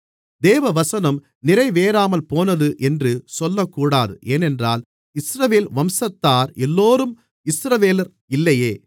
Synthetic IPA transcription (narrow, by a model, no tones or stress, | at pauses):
d̪eːʋɐʋɐsɐnɐm | nɪɾɐɪʋeːɾaːmɐlpoːnɐðɯʔɛndrɯsɔlːɐkːuːɽaːðɯʔeːnɛndraːl | ɪsɾɐʋeːlʋɐmsɐt̪ːaːɾɛlːoːɾɯm | ɪsɾɐʋeːlɐɾ | ɪlːɐjeː